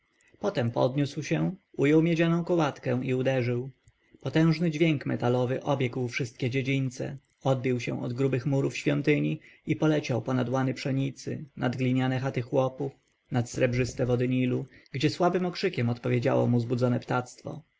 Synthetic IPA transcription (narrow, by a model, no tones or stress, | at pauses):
pɔt̪ɛmpɔ̰d̪ɲuswɕɛujɔwmʲjed͡ʑanɔ̃w̃kɔwat̪kɛ̃w̃iud̪ɛʐɘw | pɔt̪ɛ̃w̃ʐnɘd͡ʑvʲjeŋkmɛt̪alɔvɘʔɔbʲjɛɡwfʂɘst̪̚kʲɛd͡ʑed͡ʑint̪sɛ̰ | ɔd̪̚bʲiwɕɛ̰̃ɔd̪ɡɾubɘxmuɾufɕfʲjɔnt̪ɘɲiipɔlɛt͡ɕawpɔnad̪wanɘpʂɛɲit̪sɘ̰nad̪ɡlʲiɲanɛxat̪ɘxwɔpuf | nat̪sɾɛbʐɘst̪ɛvɔd̪ɘɲiluɡd͡ʑɛswabɘmɔkʂɘkʲɛmɔt̪pɔvʲjed͡ʑa̰wɔ̰muzbud̪zɔnɛpt̪at̪st̪fɔ̰